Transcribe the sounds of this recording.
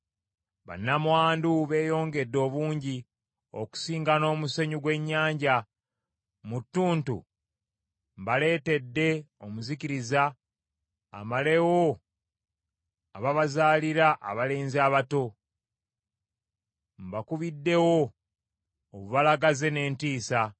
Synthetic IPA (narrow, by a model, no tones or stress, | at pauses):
βa̰nːamwaːnduβe̞ːjo̞ːŋɡe̞dːo̞ːβuːɲɟi | o̰ku̥siːŋɡano̞ːmuseɲuɡwe̞ɲːaːɲɟa | mutːuːntṵ | mbale̞ːte̞dːe̞omuziciɾiza̰ː | male̞wo | aβaβazaːliɾaʔa̰βaleːnziaːβato̞ | mbakuβidːe̞wo̞ | βuβalaɡaze̞ne̞ːntiːsa